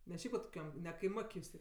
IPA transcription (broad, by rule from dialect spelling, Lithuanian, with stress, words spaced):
nʲɛ ˈʃʲɛɪp ʋɐt koːˈkʲɛm nʲɛ kɐɪˈmoːkʲ jʊs ˈtʲeː